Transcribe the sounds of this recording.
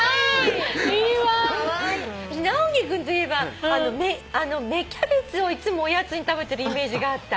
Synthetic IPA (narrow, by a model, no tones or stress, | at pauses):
a | iːβaaɕinaoɡʲekɯ̟̃nt̪oiebaano̞meano̞me̞kʲabet͡sɨo̞it͡sɨmo̞ːjat͡sɨɲ̟it̪abe̞t̪e̞ɾɯ̟ime̞ːʑiɡaːt̪ːa